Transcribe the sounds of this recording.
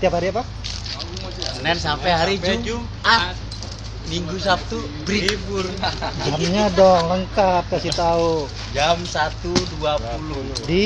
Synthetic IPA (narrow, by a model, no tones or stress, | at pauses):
t̪iapɦaɾiapa | nɛnsampɛɦaɾid͡ʒd͡ʒu | a | miŋɡusap̚t̪u | bɾiburd͡ʒamɲadɔŋləŋkap̚kasit̪au | d͡ʒamsat̪uduapuludi